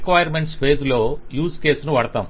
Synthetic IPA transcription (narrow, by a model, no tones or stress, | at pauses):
kʋɐːjɐɾmeɳʈspʰe̞ːd͡ʒloːjuːske̞ːsnuʋɐɽɐt̪aːm